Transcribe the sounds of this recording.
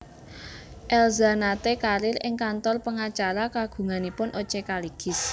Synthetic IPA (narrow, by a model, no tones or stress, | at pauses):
ʔɛlzanat̪ekaɾɪɾɪŋkant̪ɔrpəŋat͡ʃaɾakaɡ̥ṳŋanipʊnʔot͡ʃekaliɡ̥ɪ̤s